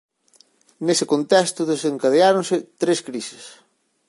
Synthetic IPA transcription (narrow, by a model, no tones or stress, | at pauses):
nesɪkont̪ɛst̪ʊðeseŋkaðeaɾonsɪt̪ɾeskɾisɪ̥s